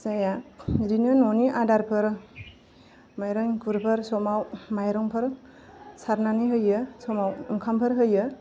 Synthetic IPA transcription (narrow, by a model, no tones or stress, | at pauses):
sajaɾinɯnɔniʔadaɾpʰɯɾ | majɾɯŋkʰuɾpʰɯɾsɔmawmajɾɯŋpʰɯɾ | saɾnaniɦɯjɯsɔmawɯŋkʰampʰɯɾɦɯjɯ